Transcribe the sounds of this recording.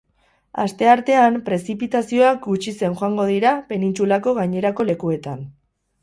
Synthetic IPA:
a̰st̪e̞aɾt̪e̞ampɾe̞sipit̪asio̞ak̚ɡut͡ʃise̞nxoaŋɡo̞ð̞iɾape̞nint͡sulako̞ɣajɲe̞ɾako̞le̞kue̞t̪an

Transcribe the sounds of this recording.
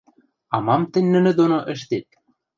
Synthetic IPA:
ɑmɑmt̪ɘ̆nʲnɘ̆nɘ̆d̪onoʔɘ̆ʃt̪et̪̚

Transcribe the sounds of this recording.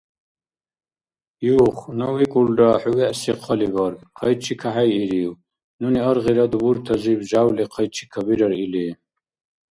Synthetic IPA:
juːχnɔwikʼulɖaħuwɛʔsiqʰɔlibəɾɡʼqʰəjt͡ʃʰikʰaħajiɾiw | nuniəɾʁiɾad̪ubuɾt̪ʰɐzibʒawlɛqʰəjt͡ʃʰi̥kʰabiɾəɾili

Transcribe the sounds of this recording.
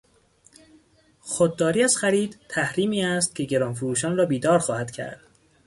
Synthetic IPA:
xod̪̚ːɒːɾiːæzxæɾiːd̪t̪ʰæhɾiːmiːæst̪̚cʰe̞ɟe̞ɾɒːnfoɾuːʃɒːnrɒːbiːd̪ɒːɾxɒːhæd̪̥cʰæ̰ɾd̪̥

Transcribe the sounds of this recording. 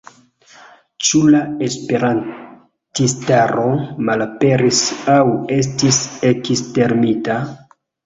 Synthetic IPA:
t͡ʃulaespe̞ɾan | tistaɾo̞malape̞ɾisawe̞s̬tisekiste̞ɾmita

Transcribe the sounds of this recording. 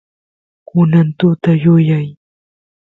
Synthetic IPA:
kʊnant̪ʊt̪ajʊjaj

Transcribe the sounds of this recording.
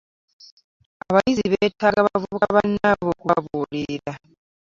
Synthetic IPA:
aβajiziβeːtʰaɡaβavuβukaaβanːaβokuaβuːliɾa

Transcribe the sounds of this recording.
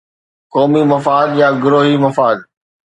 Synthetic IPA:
kɔːmimɐfaːd̪jaːɡʊɾoːɦimɐfaːd̪

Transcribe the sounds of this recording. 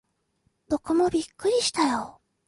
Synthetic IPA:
d̪̥o̞komo̞bʲikːɯ̟ɾʲiɕi̥t̪ajo

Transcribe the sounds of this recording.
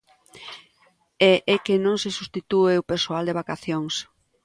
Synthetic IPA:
ɛʔɛkenõŋsesust̪it̪ueʊpeɾsoald̪eβakaθjoŋs

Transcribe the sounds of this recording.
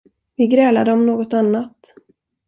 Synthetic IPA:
vɪɡɾɛːlad̪əɔmnoːɡɔt̪anːat̪

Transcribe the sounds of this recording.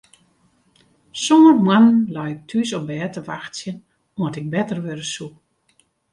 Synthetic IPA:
somərmwanənlɔjɪk̚tʰysɔbɛːtəʋaxtsjən | oətɪk̚bɛtərʋøɾəsuk

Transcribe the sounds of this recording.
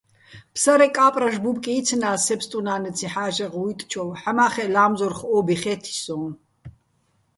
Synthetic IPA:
pʰsaɾɛkʼaːpʼraʃbupkʼiːt͡sʰnaːsɛpst̪ʼunaːnɛt͡sʰiħaːʒɛʁit̪ʼt͡ʃʰɔwħamaːχɛlaːmzɔrχɔːbiχɛːt̪ʰi̥sɔː

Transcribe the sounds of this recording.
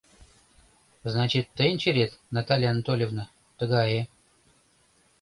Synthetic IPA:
znat͡ɕɪt̪ːenʲt͡ɕɪɾʲet̪nat̪alʲɪant̪olʲɪvnə | t̪ɨɡaje

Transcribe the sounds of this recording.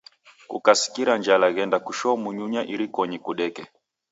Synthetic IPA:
kṵkasi̥kiɾaɲd͡ʒalaɣɛndakuʃɔmuɲuɲaʔiɾikɔɲikuɗɛkɛ

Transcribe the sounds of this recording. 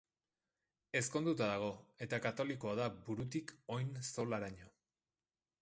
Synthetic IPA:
e̞sko̞nd̪ut̪aðaɣ̞o̞e̞t̪akat̪o̞liko̞aðabuɾut̪iko̞jnso̞laɾaɲo̞

